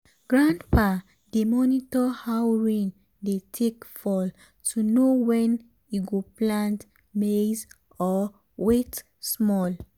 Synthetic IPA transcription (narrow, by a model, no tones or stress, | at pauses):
ɡ̥ɹãndpa | demɔnitɔhawɹĩŋ | detʰekfɔl | tʰunowɛ̃n | iɡoplãnt | mez | ɔ | wet | smɔl